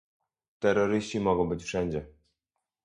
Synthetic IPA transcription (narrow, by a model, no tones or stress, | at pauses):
t̪ɛɾɔɾɘɕt͡ɕimɔɡɔ̃w̃bɘt͡ɕfʂɛɲd͡ʑɛ